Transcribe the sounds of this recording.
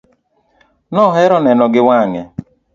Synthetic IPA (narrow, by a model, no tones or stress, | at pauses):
nɔɦɛɾɔnɛnɔɡɪwaŋɛ